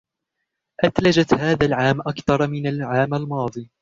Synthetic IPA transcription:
ʔat̪lad͡ʒat̪haːðaːlʕaːmʔakθɑɾˤmɪnalʕaːmalmɑːðˤiː

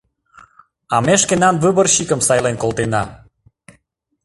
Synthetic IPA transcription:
ɑmeʃkenɑnβɨβərɕikə̆msɑjlenkolt̪enɑ

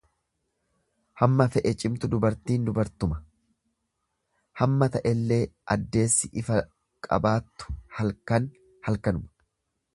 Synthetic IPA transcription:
hɐmːɐfɛʔɛt͡ʃʼɪmt̪ʊd̪ʊbɐɾt̪iːnd̪ʊbɐɾt̪ʊmɐ | hɐmːɐt̪ɐʔɛlːe̞ːʔɐd̪ːe̞ːsːɪʔɪfɐ | kʼɐ̰baːt̪ːʊ̥hɐlkɐn | hɐlkɐnʊmɐ̥

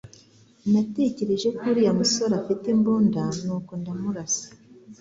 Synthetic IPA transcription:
nate̞ce̞ɾe̞ʒekuɾiamusoɾafitemboːndanukondamuɾasi̥

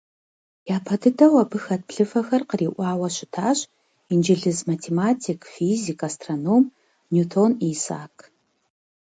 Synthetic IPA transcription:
jaːpʰɐdɨdɐwɐbɨxɐt̚pɬɨfɐxɐrqəriːʔʷɑːwɐɕɪtʰaːɕʼ | ind͡ʒɪɮɨzmatʰeːmaːtʰiːkʰfiːzikʰastʰrɐnoːm | nutʰoːniːsa̰ːkʰ

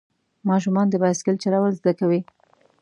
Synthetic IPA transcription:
mɑʃ̬umɑnd̪əbaskɪlt͡ʃalawəlzd̪akawi

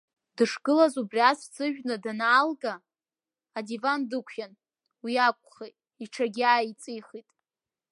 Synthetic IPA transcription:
dɨʂɡɨlazubriast͡sʰʼɨʒᶣnɨdanaːlɡaː | divandɨkʷʰan | wiakʷʼχejtʼ | iʈ͡ʂʰaɡʲiaːit͡sʼijχitʼ

